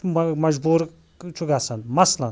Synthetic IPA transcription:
mɐd͡ʒbuːɾ | t͡ʃʰuɡasanmɐslɐn

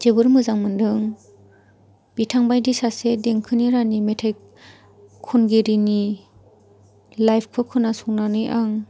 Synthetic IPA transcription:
d͡ʒebɯɾmɯzaŋmɯndɯŋ | b̥itʰaŋbajdisasedeŋkʰɯniɾanimetʰaj | kʰːunɡeɾini | lajpʰkʰɯkʰɯnasuŋnanɯjʔaŋ

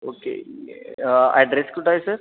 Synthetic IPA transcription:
okḛ | ɛ̰ɖɾeskuʈaɦesəɾ

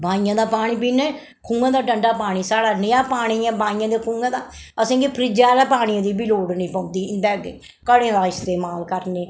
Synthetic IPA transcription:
bãːĩjãːd̪aːpaːɳ̃iːp̬iːnɛ̃ː | kʰũːŋɡãːd̪aːʈəɳɖaːpaːɽ̃iːsaːɽaːnəjaːpaːɽ̃iːãːbaːĩjãːd̪eːkʰũːŋɡãːd̪aːəsẽːɡipʰɾɪd͡ʒaːlaːpaːɽ̃ĩːãːd̪iːbɪloːɽnĩːpɔ̃ːnd̪iːnd̪ɛːɡe | kəɽẽːd̪aːɪst̪eːmaːlkəɾneː

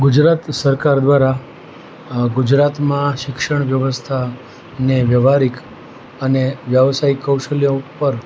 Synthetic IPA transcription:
ɡud͡ʒɾat̪səɾkaɾd̪ʋaɾa | ɡud͡ʒɾat̪mãʃɪkʃəɳ̃ʋjəʋəst̪ʰa | neʋjəʋaɾik | əneʋjəʋsaikːəwʃəljõpəɾ

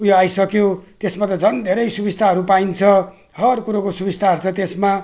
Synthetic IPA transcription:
ujoajsʌkjot̪esmat̪ʌd͡zʱʌnd̪ʱeɾʌjsubist̪ʰaɦʌɾupaint͡sʰʌ | hʌrkuɾokosubist̪ʰaɦʌrt͡sʰʌt̪esma

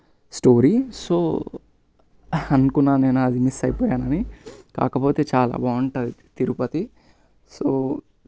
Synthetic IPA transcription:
sʈoːɾisoː | ɐnkunːaːneːnuɐd̪imisɐjpoːjaːnɐnika̰ːkɐpo̞ːt̪eːt͡ʃaːla̰ːbaːuɳʈɐd̪it̪iɾupɐt̪i | soː

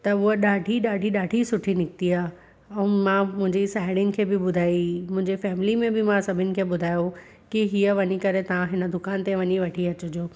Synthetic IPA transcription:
t̪ɐʊɦəɗaːɖʱiɗaːɖʱiɗaːɖʱisʊʈʰinɪkt̪iaː | ɛ̃ːmãmʊ̃ɦɪ̃ɲd͡ʑisaːɪɽijənɪ̆kʰeːbɪɓʊd̪ʱaːimʊ̃ɦɪ̃ɲd͡ʑefɛːmɪlimẽbɪmãsɐbʱɪnɪ̆kʰeːɓʊd̪ʱaːjo | kiɦiəʋɐɲikɐɾet̪ɐʋãɦɪnə̆d̪ʱʊkaːnt̪eʋɐɲiʋɐʈʰiɐt͡ɕʊd͡ʑoː

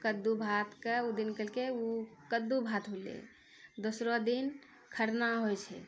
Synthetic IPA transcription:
kəd̪ːubʱat̪keud̪inkəlkeukəd̪ːubʱat̪ɦolḛ | d̪osɾod̪in | kʰəɾnaɦojt͡ʃʰɛ̰

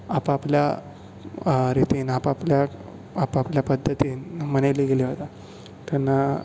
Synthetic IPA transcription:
apaplja | ɾit̪iːnapapljaː | papljapəd̪ʱːət̪iːnmənajliɡeliɦot̪a | t̪ɛnːa

